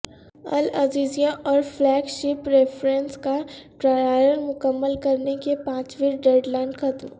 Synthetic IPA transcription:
ɐ̰laziːzijãʔɔːɾflɛːɡʃɪpɾefɾẽnskaʈɾaːaːɾəɾmʊkəmːəlkɐɾnekepãːt͡ʃʋiːɾɖeːɾɖlaːɪnxɐt̪m

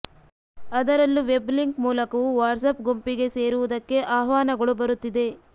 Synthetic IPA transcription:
ɐd̪ɐɾɐlːuʋe̞bliŋkmuːlɐkɐʋuʋaːɾsɐpɡo̞mpiɡe̞se̞ːɾuʋud̪ɐkːe̞ʔaːɦʋaːnɐɡɐɭubɐɾut̪ːid̪e̞

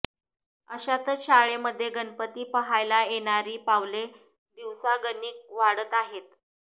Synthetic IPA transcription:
əɕat̪əɕaɭeməd̪ʱːjeɡənpət̪iːpəɦajlajeɽ̃aɾiːpaʋle | d̪iʋsaɡəniːk̚ʋaɽət̪aɦet̪̚

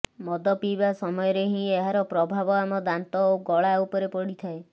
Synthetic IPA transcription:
mɔd̪ɔpibasɔmɔjɔɾeɦĩeɦaɾɔpɾɔbʱabɔamɔd̪ant̪ɔoɡɔɭaupɔɾepɔɽit̪ʰae

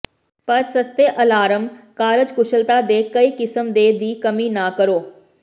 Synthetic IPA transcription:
pəɾsəst̪eʔəlaːɾəmkaːɾəd͡ʒkʊʃəlt̪aːd̪eːkəiːkɪsəmd̪eːd̪iːkəmiːnãːkəɾoː

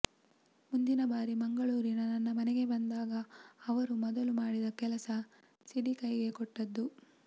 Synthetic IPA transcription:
mund̪inɐbaːɾimɐŋɡɐɭuːɾinɐnɐnːɐmɐnɛɡe̞bɐnd̪aːɡɐːʋɐɾumɔd̪ɐlumaːɽid̪ɐkɛlɐsɐ | siɽikɐjɡe̞kɔʈːɐd̪ːu

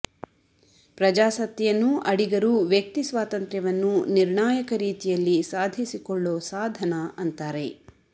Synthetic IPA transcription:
pɾɐd͡ʒaːsɐt̪jɐnːuʔɐɽiɡɐɾuʋjɐk̚t̪isʋaːt̪ɐnt̪ɾjɐʋɐnːuniɾɳaːjɐkɐɾiːt̪ijɐlːisaːd̪ʱisikɔɭːoːsaːd̪ʱɐnɐʔɐnt̪aːɾe̞

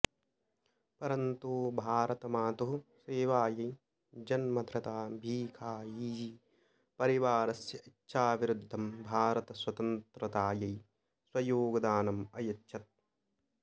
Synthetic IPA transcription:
pɐɾɐnt̪uːbʱaːɾɐt̪ɐmaːt̪uɦuseːʋaːjɐj | d͡ʒɐnmɐd̪ʱɾɐt̪aːbʱiːkʰaːiːd͡ʒi | pɐɾiʋaːɾɐsjɐitːʃʰaːʋiɾud̪ʱːɐmbʱaːɾɐt̪ɐswɐt̪ɐnt̪ɾɐt̪aːjɐj | swɐjoːɡɐd̪aːnɐmɐjɐtːʃʰɐt̪̚

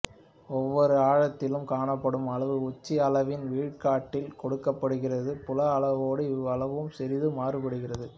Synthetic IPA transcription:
ɔʋːɔɾɯaːɻɐt̪ːɪlɯmkaːɳɐpːɐɽɯmɐɭɐʋɯʊt͡ʃːiɐlɐʋɪnʋiːɻkaːʈːɪlkɔɽɯkːɐpːɐɽɯɣɪrɐðɯpʊlɐːɭɐʋoːɽɯɐɭɐʋɯmsɛɾɪðɯmaːrɯpɐɽɯɣɪrɐðɯ

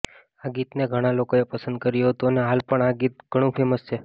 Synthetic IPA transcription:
aɡit̪neɡʱəɽ̃alokoepəsənd̪̚kəɾjoɦət̪oneɦalpəɳaɡit̪̚ɡʱəɽ̃ũpʰeməst͡ʃʰe

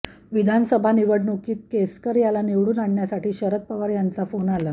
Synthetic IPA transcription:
ʋid̪ʱansəbʱaniʋəɽnokiːt̪̚keskəɾjalaneʋɽuːnaɳːjasaʈiːɕəɾət̪̚pəʋaɾjant͡safonala

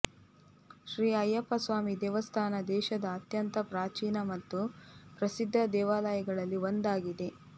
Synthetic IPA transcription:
ʃɾiːɐjɐpːɐsʋaːmid̪ɛːʋɐst̪ʰaːnɐd̪ɛːʃɐd̪ɐːt̪jɐnt̪ɐpɾaːt͡ʃiːnɐmɐt̪ːupɾɐsid̪ʱːɐd̪ɛːʋaːlɐjɐɡɐɭɐlːiʋond̪aːɡid̪e̞

